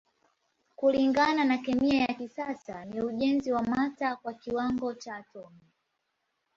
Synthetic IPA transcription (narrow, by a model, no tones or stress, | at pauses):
kuliŋɡananakɛmiajakisasaniuʄɛnziwamatakwakiwaŋɡɔt͡ʃaːtɔmi